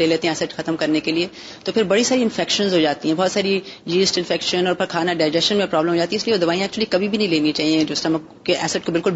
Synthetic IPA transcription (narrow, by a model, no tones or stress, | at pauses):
leːleːt̪ẽɦɛ̃ɛːsəʈxɐt̪əmkɐɾnekelie | t̪oːpʰɪɾbɐɽisaːɾiɪ̃nfɛːkʃənzɦod͡ʒaːt̪iɦɛ̃bɔːt̪saːɾid͡ʒiːzʈɪ̃nfɛːkʃənɔːɾpɐɾkʰaːnaɖaːɪd͡ʒɛsʃənmẽpɾɔːbləmɦoːd͡ʒaːt̪ĩɛɪslieʋod̪ɐʋaːijãɛk̚t͡ʃuəlikɐbʱibʱinɐ̃ɦĩleːnĩt͡ʃaːɦiɛ̃d͡ʒoːɪsʈɐmə | keʔɛːsəʈkobɪlkʊl